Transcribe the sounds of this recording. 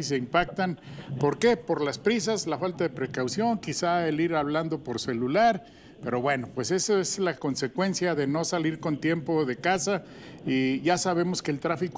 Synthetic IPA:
is̬eimpak̚t̪anpo̞ɾke̞po̞ɾlaspɾis̬aslafalt̪aðepɾe̞kawsjo̞ŋkisaeliɾaβland̪o̞po̞ɾse̞lulaɾ | pe̞ɾo̞βwe̞no̞pwe̞se̞soeslako̞nse̞kwe̞nsjaðe̞no̞saliɾko̞nt̪je̞mpo̞ðe̞kasa | iʝasaβ̞e̞mo̞skeːlt̪ɾafik

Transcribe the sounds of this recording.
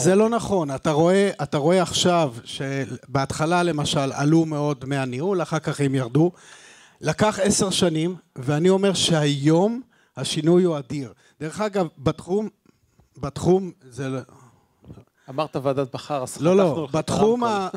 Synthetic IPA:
zelo̞naχo̞nat̪aʁo̞e̞ʔataʁo̞e̞aχʃavʃebeatχalale̞maʃala̰lume̞o̞dmeaniulaχaʁkaχemjaʁdu | lakaχe̞se̞ʁʃanimveanio̞me̞ʁʃe̞hajo̞m | haʃinujuad̪iʁ | d̥̪eʁeχaɡavbat̪χum | bat̪χumzel | amaʁt̪aveaːd̪at̪̚baχaʁaslolo̞bat̪χuma

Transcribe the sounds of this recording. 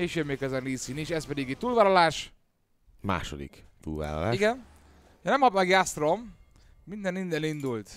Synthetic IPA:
eːʃøbmeːkɛzɛnriːsiniʃɛspɛd̪iɡet̪uːlvaːlɒlaːʃ | ma̰ːʃo̰d̪ḭkt̪ṵːlva̰ːlɒ̰la̰ːiɡɛn | jnɛmhɒbmɛɡjast̪rom | mind̪ɛnind̪ɛnind̪ult̪

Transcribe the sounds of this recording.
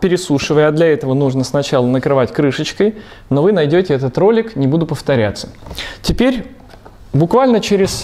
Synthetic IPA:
pʲɪɾʲɪsuʂɨvəjəɐd̪lʲɐɛt̪əvənuʐnəsnɐt͡ɕalˠənəkɾɨvatʲkɾɨʂət͡ɕkəj | no̞vɨnɐjdʲotʲɪɛt̪ət̪ro̞lʲɪknʲɪbud̪ʊpəft̪ɐɾʲa̰t̪sːə̥tʲɪpʲeɾʲ | bʊkvalʲnət͡ɕeɾʲɪs

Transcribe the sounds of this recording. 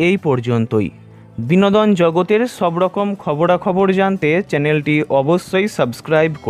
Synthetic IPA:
ejpɔɾd͡ʑont̪oj | binod̪ɔnd͡ʑɔɡot̪eɾʃɔbɾɔkomkʰɔboɾakʰɔboɾd͡ʑant̪et͡ɕɛnelʈiʔɔbosːojsəbskɾajbko

